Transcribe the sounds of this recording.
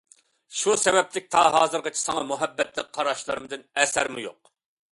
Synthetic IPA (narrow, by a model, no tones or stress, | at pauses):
ʃusɛvɛplɪk̚ʲt̪ʰɑɦɑːzɨɾʁət͡ʃʰi̥sɑŋɑmuɦɛbːɛt̪lɪk̚ʲqʰːɑɾɑʃlˠɨɾɨmɨd̪ɨnɛsæɾmujo̰q̚